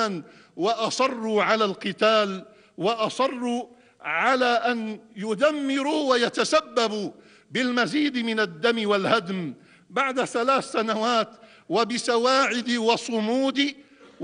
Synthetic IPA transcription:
n | waʔɑsˤɑrˤːuːʕalaːlqɨt̪aːl | wɑʔɑsˤɑrˤːu | ʕalaːʔanjʊd̪amːɪɾuwajat̪asabːab | bɪlmaziːd̪mɪnad̪ːamɪwalhad̪m | baʕd̪aθalaːθsanawaːt̪ | wabɪsawaːʕɪd̪wɑsˤʊmuːd̪ɪ

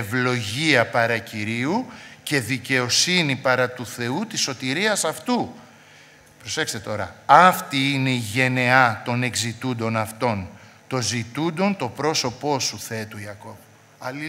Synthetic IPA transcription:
vlo̞ʝiɐpɐɾɐciɾiuce̞ðice̞o̞sinipɐɾɐt̪uθe̞ut̪iso̞t̪iɾiɐsɐft̪u | pɾo̞se̞kse̥t̪̞t̪o̞ɾɐ̰ɐft̪iineiʝe̞ne̞ɐt̪o̞ne̞kzit̪und̪o̞nɐft̪o̞n | t̪o̞zit̪und̪o̞nt̪o̞pɾo̞so̞po̞suθe̞t̪uiɐko̞v | ɐli

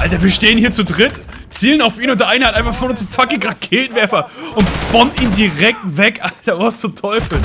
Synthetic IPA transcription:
ʔaltɐviːɐʃteːənhiːɐt͡sudʁɪt | t͡siːlənaʊfiːnʊnd̥ɛɐʔaɪnɐhatʔaɪnfaχfɔnʊnsfakɪŋɡʁat̚kʰeːnvɛɐfɐʔʊntb̥ɔmtiːndiʁɛk̚tvɛkʔaltɐvʊst͡sʊmtʰɔʏfl̩

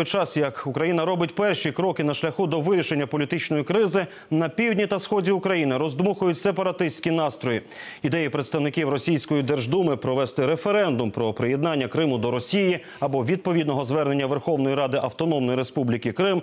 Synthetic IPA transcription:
jt͡ʃɑsjɐkʊkɾɐjinɐɾɔbɪt̚ʲpɛrʃikɾɔkɪnɐʃlʲɐxud̪ɔʋɪɾʲiʃenʲːɐpɔlʲit̪ɪt͡ʃnɔjikɾɪzɪ | nɐpʲiwdʲnʲit̪ɐsxɔdʲiʊkɾɐjinɪɾɔzd̪muxʊjʊtʲsepɐɾɐt̪ɪsʲtʲkʲinɑst̪ɾɔji | id̪ɛjipɾet̪st̪ɐwnɪkʲiwɾɔsʲijsʲkɔjid̪ɛrʒd̪umɪpɾɔʋɛst̪ɪɾefeɾɛnd̪ʊmpɾɔpɾɪjed̪nɑnʲːɐkɾɪmʊd̪ɔɾɔsʲiji | ɐbɔʋʲid̪̚pɔʋʲid̪nɔɦɔzʋɛrne̞nʲːɐʋerxɔʋnɔjiɾɑd̪ɪʔɐwt̪ɔnɔmnɔjiɾespublʲikɪkɾɪm

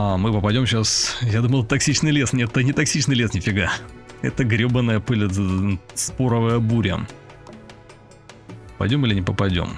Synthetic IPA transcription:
amɨpəpɐdʲo̞mɕasjad̪uməlˠt̪ɐksʲit͡ɕnɨjlʲe̞snʲɛt̪ənʲɪt̪ɐksʲit͡ɕnɨjlʲesnʲɪfʲɪɡaɛ̰t̪əɡɾʲobənːəjəpɨlʲə | spoɾəvəjəbuɾʲə̰ | pɐ̰jdʲo̞mɨlʲɪnʲɪpəpɐdʲo̞̰m

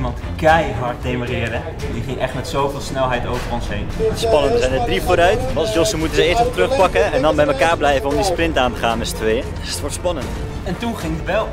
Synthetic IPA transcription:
mɑntkɛjɦɑɹt̚dejmorɪːɹdə | diχɪŋʔɛχtmɛtsowvɪːlˠsnɛlˠɦɛjtowvəɹɔnsɦejnspɑnəntʋəzɛjnədrifoːɾœɥtmɑlˠsjɔsəmutənzəɪːɹstɔtrɵχpɑkəɛndɑnbɛjməkaːɹblɛjvənɔmdisprɪntaːntəχaːnmɛstʋejə | ətʋɔɹtspɑnənt | ɛntunχɪŋdəbɛlˠ

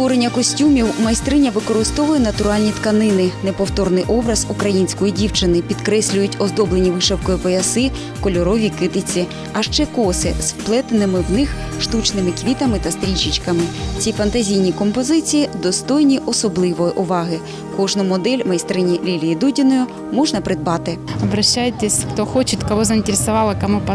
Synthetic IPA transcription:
t̪ɔɾenʲːɐkɔsʲtʲumʲiwmɐjst̪ɾɪnʲɐʋɪkɔɾɪst̪ɔʋʊjɛnɐt̪ʊɾɑlʲnʲit̪kɐnɪnɪnepɔwt̪ɔrnɪjʔɔbɾɐz̥ukɾɐjinʲsʲkɔjidʲiwt͡ʃɪnɪpʲid̪kɾɛsʲlʲʊjʊtʲɔzd̪ɔblenʲiʋɪʃɛwkɔjipɔjɐsɪ | kɔlʲɔɾɔʋʲikɪt̪ɪt͡sʲi | ɐʃt͡ʃɛkɔsɪ̰zwplˠɛt̪enɪmɪwnɪx | ʃt̪ut͡ʃnɪmɪkʋʲit̪ɐmɪt̪ɐst̪ɾʲit͡ʃɪt͡ʃkɐmɪt͡sʲifɐnt̪ɐzʲijnʲikɔmpɔzɪt͡sʲijid̪ɔst̪ɔjnʲiʔɔsɔblˠɪʋɔjʔʊʋɑɦɪ | kɔʒnʊmɔd̪ɛlʲmɐjst̪ɾɪnʲilʲilʲijid̪udʲɪnɔjʊ | mɔʒnɐpɾɪd̪̚bɑt̪ɪɐbɾɐɕːajɪt̪ʲesʲxt̪ɔxɔt͡ʃɪt̪ʲkɐʋɔzɐɪnʲtʲeɾʲɪsɐʋɑlˠɪkɐmupɐ

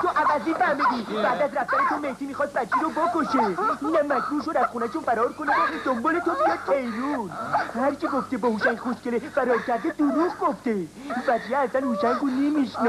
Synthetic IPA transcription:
t̪ʰoʔævæziːnfæmed̪ib̥æːd̪æzɾæft̪æɾet̪ʰomeht̪ʰiːmixɒːst̪̚bæt̪t͡ʃʰːiɾobokoʃeunæmːækɾuʃod̪æsχunæʃunfæɾɒːɾkonet̪ed̪̥ombɔːlet̪obijɔɾ̚t̪ʰejɾunhæɾt͡ʃiɡoft̪ebɔːhuʃæŋɡχoʃkelefæɾɒːkʲʰæɾd̪ed̪oɾuʁɡoft̪e | væd͡ʒjeːzænhuʃæŋɡonemiʃn

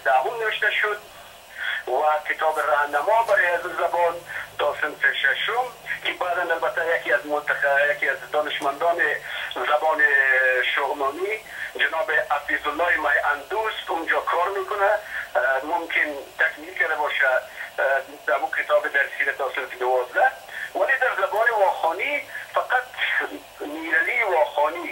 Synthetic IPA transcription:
d̪̥amumnawɪʃt̪aʃʊd̪̚ | wakɪt̪ɔbɪɾahnamɔbaɾeazuzabɔnt̪ɔsɪnfɪʃaʃʊmkɪbaːd̪analbat̪ajakiazmʊnt̪ajakiazd̪ɔnɪʃmand̪ɔːnɪzabɔnɪʃʊɣnɔni | d͡ʒanɔːbeafizʊlːɔːemajʔand̪usʊnd͡ʒɔkʰɔɾmekʊna | mʊmkɪnt̪akmilkaɾd̪abɔʃa | d̪amukɪt̪ɔbɪd̪aɾsxiɾat̪asɪɾt̪ɪnɪwɔzd̪awaled̪aɾzabɔnɪwɔxɔnifaqat̪ | niɾaliwɔxɔni

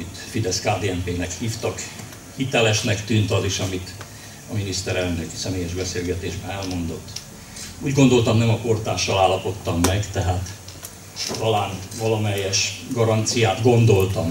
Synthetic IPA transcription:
it̪fid̪ɛskaːd̪eːɛmpeːnɛkhiːft̪ɒk | hit̪ɛlɛʃnɛkt̪yːnt̪ɒziʃɒmit̪ | ɒminist̪ɛɾɛlnøksɛmeːjɛʒbɛseːlɡɛt̪eːʒbɛnɛlmo̞nd̪o̞t̪ː | uːɟɡo̞nd̪o̞lt̪ɒmnɛmɒpo̞rt̪aːʃɒlaːlːɒpo̞t̪ːɒmːɛɡt̪ɛɦaːt̪ | t̪ɒlaːnvɒlɒmɛjːɛʃɡɒɾɒnt̪sijaːt̪ɡo̞nd̪o̞lt̪ɒm

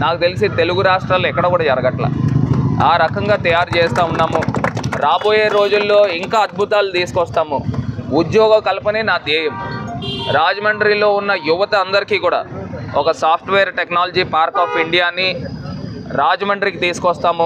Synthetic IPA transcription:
naːkut̪e̞lis̬it̪e̞luɡuɾaːʂʈɾaːluɛkːɐɽɐkuːɽaːd͡ʒɐɾɐɡɐʈla̰ːaːɾɐkɐŋɡaːt̪ɐjaːɾit͡ʃeːst̪aːunːaːmuɾaːbo̞ːje̞ːɾo̞ːd͡ʒulːo̞ːiŋkaːɐd̪̚bʱut̪aːlut̪iːsu̥kɔst̪aːmuud̪jɔːɡɐmkɐlɐpɐneːnaːd̪iːjɐmuɾaːd͡ʒɐmɐɳɖɾiːlo̞ːunːɐjuʋɐt̪ɐːnd̪ɐɾikiːkuːɽa̰ːɔkɐsaːpʰʈʋeːɐɾʈeknaːlɐd͡ʒipaːɾkaːpiɳɖijaːni | ɾaːd͡ʒɐmɐɳɖɾikit̪iːsu̥kɔst̪aːmu

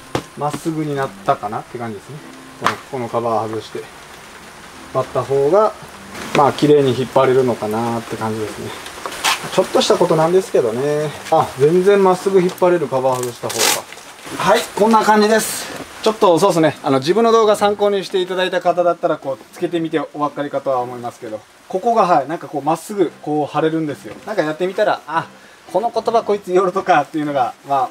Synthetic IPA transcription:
masɨɡɯ̟ɲ̟inat̪ːakanat̪ːekãɲ̟d͡ʑid̪e̞sɨne | konoko̞no̞kabahazɨɕi̥t̪e̞ | bat̪ːaɦo̞ːɡa | maːkʲiɾe̞ːɲ̟içipːaɾe̞ɾɯ̟no̞kanat̪ːe̞kãɲ̟d͡ʑid̪e̞sɨneat͡ɕo̞t̪ːo̞ɕi̥t̪ako̞t̪o̞nãnd̪e̞sɨ̥ke̞d̪o̞ne̞ad͡zẽ̞nd͡zẽ̞mmasɨɡɯ̟çipːaɾe̞ɾɯ̟kabahazɨɕi̥t̪aɦo̞ːɡa̰ | haikõnːakãɲ̟d͡ʑid̪e̞sɨ̥t͡ɕo̞t̪ːo̞s̬oːesɨne̞ano̞d͡ʑibɯ̟̃nːo̞d̪o̞ːɡasãŋko̞ːɲ̟iɕi̥t̪e̞it̪ad̪ait̪akat̪ad̪at̪ːaɾako̞ːt͡sɨ̥ke̞t̪e̞mʲit̪e̞o̞βakaɾʲikat̪o̞βaomo̞imasɨ̥ke̞d̪o̞ | ko̞ko̞ɡaɦaenãŋkako̞ːmasɨɡɯ̟ko̞ːhaɾe̞ɾɯ̟̃nd̪e̞sɨjo̞̰nãŋkajat̪ːe̞mʲit̪aɾa̰a | ko̞no̞ko̞t̪o̞bako̞it͡sɨjo̞ɾɯ̟t̪o̞kat̪ːe̞jɯ̟no̞ɡama

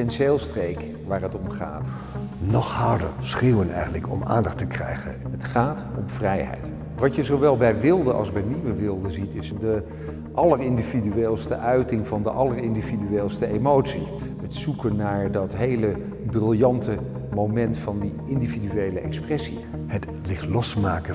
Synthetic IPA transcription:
tɛnseːlˠstrejk | ʋaːrɦətɔmχa̰ːt | nɔχhɑɹdə̰ɹsχewənɛ̰jχəntləkɔ̰ma̰ːndɑχtəkrɛ̰jχə̰nɦətχaːtɔmv̥rɛjɦɛ̰jt | ʋɑcjəzowʋɛlˠbɛjʋɪlˠdəʔɑ̰lˠzbɛjniʋəʋɪlˠdəzitɪsdə | ʔɑlərɪndividyeːlˠstəʔœɥtɪŋvɑndəʔɑlərɪndividyeːlˠstəʔejmowtsiɦətsukənːaːɹdɑtɦejlə | brɪlˠjɑntə | mowmɛntfɑndi | ɪndividyejləʔɛksprɛsi | hət | zɪχlɔsmaːkə

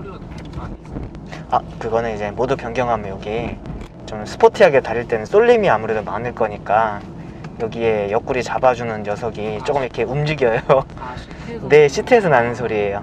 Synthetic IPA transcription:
akɯɡʌnɯnid͡ʑe̞modupjʌŋɡjʌŋɦamjoɡi | t͡ɕomsʰɯ̥pʰotʰɯaɡetaɾiɭt͈e̞nɯns͈oʎːimiamuɾe̞domanɯɭk͈ʌɲik͈a | jʌɡie̞jʌk͈uɾit͡ɕabad͡ʑunɯnjʌsʰʌɡit͡ɕ͈ok͈ɯmiikʰe̞umd͡ʑiɡjʌjoo | ne̞ɕʰitʰees̬ʰʌnanɯnsʰoɾie̞jo

